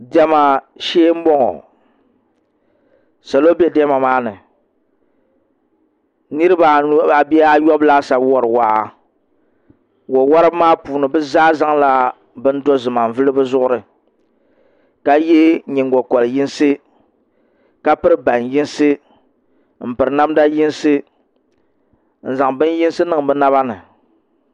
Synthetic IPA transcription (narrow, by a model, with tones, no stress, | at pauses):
dɛ˦ma˨ʃeː˦m̩˦bɔ˦ŋɔ̰˨ | sa˨lo˦bɛ˦dɛ˦ma˨maː˦nɨ˨ | nɨ˦ɾɨ˦ba˨nu˦a˨bɛ˦a˦jɔ˦bla˦sa˨bwɔ˨ɾɨ˨waː˨˦˨ | wɔ˨wɔ˦ɾɨ˦bmaː˦puː˨nɨ˨bɨ˦zaː˦za˦ŋla˦ | bɨ˦n̩˦dɔ˦zɨ˨ma˨ɱ˨vɨ˦lɨ˦bɨ˦zʊ˦ʔʊ˦ɾɨ˨ | ka˦je˦ɲi˨ŋ˨ɡɔ˨kɔ˨lɨ˨ji˦nsɨ˦ | ka˦pɨ˦ɾɨ˦ba˨nji˦nsɨ˦ | m̩˨pɨ˨ɾɨ˨na˦mda˦ji˦nsɨ˦ | n̩˨za˨ŋbɨ˦n˦ji˦n˦sɨ˦nɨ˦˨ŋ˨bɨ˦na˦βa˦nɨ˨